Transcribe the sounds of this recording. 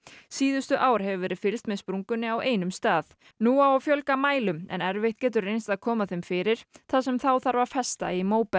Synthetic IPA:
siːðʏst̪ʏʔaːwɾ̥hɛvʏvɛːɾɪfɪlst̪mɛðspɾuŋkʏnːɪaweːjnʏmst̪aːð | nuːaawfjœlkamaːjlʏmɛ̰nɛɾveht̪cɛːt̪̬ʏɾrejnst̪aðkʰɔːmaθejmfɪːɾɪɾ̥θasɛmθawθaɾvaɾfɛst̪a̰imoːwpɛ

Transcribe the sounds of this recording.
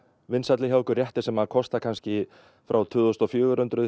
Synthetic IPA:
vɪnsat̪lɪçawkʏɾrjɛht̪ɪɾsɛmaðkʰɔst̪akʰanscɪ | fɾʔawt̪ʰʏːðost̪ɔfjʏːɣʏɾʏnt̪ɾʏ

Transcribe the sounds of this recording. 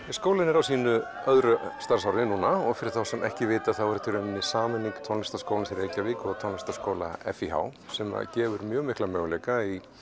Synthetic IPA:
skoːwlaɪnɛɾawsiːnʏ | œðɾʏst̪aɾ̥sawɾðɪnuːnaɔɣfɪɾɪθawsɛnʔɛ̰hcɪvɪːt̪aðθawɛɾʏ̥t̪ʰɪɾɛnnːɪsaːmɪnːiŋkt̪ʰɔnɪst̪ḁskoːwlfɪɾejcavɪkɔɣt̪ʰɔnɪst̪askoːwla̰ɛ̰fiɦa̰ːwsɛma̰ðcɛːvʏɾmjœːɣmɪhklamœːɣleːjkai

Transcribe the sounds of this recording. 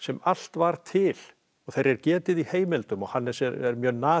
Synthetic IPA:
sɛmal̥t̪vaɾ̥t̪ʰɪl | ɔɣθejɾɛɾcɛːt̪ɪðiheːjmɪlt̪ʏmɔɣhanːɛ̥sjɛɾɛɾmjœːnaː

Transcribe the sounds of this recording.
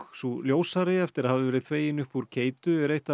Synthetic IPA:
suljoːwsaɾɪɛft̪ɪɾaðhavɪvɛːɾɪðθveːjɪnʏhpuɾ̥cʰeːjt̪ʏɛɾejht̪a

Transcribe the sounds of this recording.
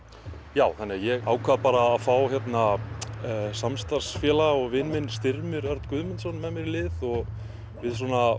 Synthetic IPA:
jaːwθanɪajɛɣaːwkʰvaðpaːɾaːðfawçjɛt̪na | samst̪aɾ̥sfjɛːlaɔɣvɪnmɪnst̪ɪɾmʏɾœɾt̪kʏðmɪnsɔnmɛðmɛɾlɪðɔɣ | vɪðswɔːna

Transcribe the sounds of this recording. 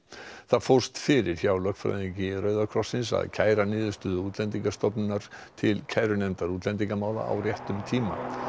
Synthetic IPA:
θaðfowɾ̥st̪fɪɾɪɾ̥çawlœkfɾa̰jðiɲcɪrœɥðakʰɾɔsːɪnsa̰ðcʰaːjɾanɪːðʏst̪ʏðʏuːt̪lɛnt̪iŋkast̪ɔpnʏnaɾ̥t̪ʰɪlcʰaːjɾʏnɛnt̪aɾut̪lɛnt̪̬iŋkamaːwða̰a̰wrjɛht̪ʏmt̪ʰiːma̰

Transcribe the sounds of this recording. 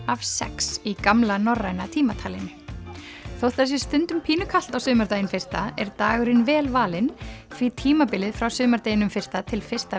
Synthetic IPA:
av̥sɛ̰ksikamlanɔrːajnat̪ʰiːmat̪ʰaːlɪnʏ | θowht̪θɛs̬ɪ̥st̪ʏnt̪ʏmpʰiːnʏkʰal̥t̪awsʏːmaɾt̪ejɪnfɪr̥t̪aɛɾt̪aːɣʏɾɪnvɛːlvaːlɪnfit̪ʰiːmapɪlɪðfɾawsʏːmaɾt̪eːjɪnʏmfɪr̥st̪at̪ʰɪlfɪr̥st̪a

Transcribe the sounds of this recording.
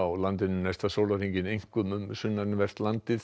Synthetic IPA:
awlant̪ɪnːʏnɛst̪asowlariɲcɪnejŋ̥kʏmʏmsʏnːaɾnvɛr̥t̪lant̪ɪθ

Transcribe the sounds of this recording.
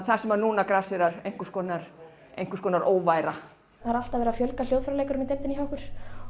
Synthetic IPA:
θasɛmaɾnuːnakɾasɪɾaɾejŋ̥kʏ̥skɔːnaɾ̥ | ejŋ̥kʏskʰɔːnaɾʔoːwvajɾa | aaɾal̥t̪avɛɾafjœlkal̥owðfɾawlejkaɾʏmit̪elt̪ɪnihɦaɔhkʏɾ̥

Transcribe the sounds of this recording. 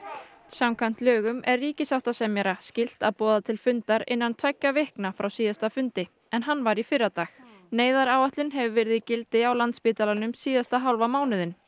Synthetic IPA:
sawmkʰajm̥t̪lœːɣʏmɛrːiːcɪsawht̪asɛmjɛɾascɪl̥t̪aðpɔːðat̪ʰɪlfʏnt̪aɾɪ̰nːant̪ʰvɛcːavɪhknafɾawsiːðast̪afʏnt̪ɪ | ɛnɦanːvaɾifɪrːat̪aːx | neːjðaɾaːwaht̪lʏnɦɛvʏvɪɾɪðɪcɪlt̪ɪawlant̪spɪːt̪alanʏmsiːðast̪aɦawlvamaːwnɪðɪn

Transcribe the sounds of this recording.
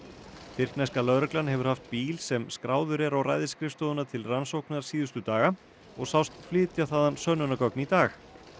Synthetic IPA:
fɪr̥knajskalœðɾɛklanhɛvʏɾ̥haft̪̚piːlsɛmskɾaːwðʏɾɛɾawra̰jðɪskɾɪfst̪owðʏnat̪ʰɪlransowknaɾ̥siːðʏst̪ʏt̪aːɣa | ɔɣsawst̪flɪːt̪jaθaːðansœnʏnakɔknit̪aːx

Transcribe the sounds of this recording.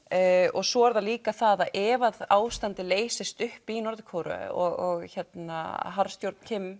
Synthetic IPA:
ɔɣsɔɛɾðaliːkaθaðaðʔɛvaðaːwst̪ant̪ɪleːjsɪst̪ʏhpinɔɾðɪkʰowɾʏ̰ɔɣɔɣçɛt̪na̰ɦaɾst̪jowɾt̪n̥cʰɪm

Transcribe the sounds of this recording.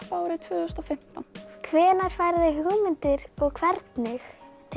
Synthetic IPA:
aːwɾɪt̪ʰvʏːœst̪ɔfɪm̥t̪a̰nkʰvɛːnaɾ̥faːjɾðɪhɔɣmɪnt̪ɪɾɔɣkʰvɛɾt̪nɪxt̪ʰ

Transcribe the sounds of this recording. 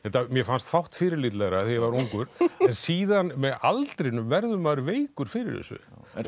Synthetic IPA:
hɛht̪ːamjɛfanst̪fawht̪fɪːɾɪɾlit̪lɛɣɾaθejvaɾuŋkʏɾ̥ɛnsiːðanmɛðalt̪ɾɪnʏmvɛɾðʏmaɾveːjkʏɾ̥fɪːɾɪ̰ɾðɛ̰sʏ̰

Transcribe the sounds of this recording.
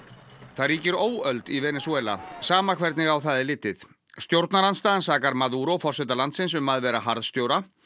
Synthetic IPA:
θaðriːcɪɾoːwœlt̪ivɛːnɛsuɛːla̰saːmakʰvɛɾt̪nɪɣawθaːðɪlɪːt̪ːɪθ | st̪jowɾt̪naɾanst̪aːðansaːkaɾmaðuɾɔfɔr̥sɛt̪alant̪sɪns̬ʏmːaðvɛːɾaɦaɾðst̪jowɾa

